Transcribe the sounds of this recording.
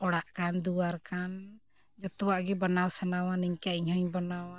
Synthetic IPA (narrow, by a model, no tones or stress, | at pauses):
ɔɽaʔkand̪uwaɾkan | d͡ʒɔt̪ɔwaʔɡɛbɔnawsanawaniɲkaiɲhɔɲbɔnawa